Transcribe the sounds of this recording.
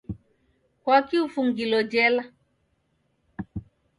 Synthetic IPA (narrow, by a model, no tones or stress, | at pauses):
kwakiufuŋɡilɔd͡ʒɛla